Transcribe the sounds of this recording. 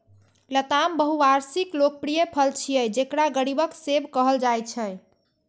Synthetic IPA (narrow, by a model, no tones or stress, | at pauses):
lət̪ambəɦuaɾsiklok̚pɾijəpʰəlt͡ʃʰijəjd͡ʒekɽaɡəɽibəksebkəɦəld͡ʒajt͡ʃʰə̃j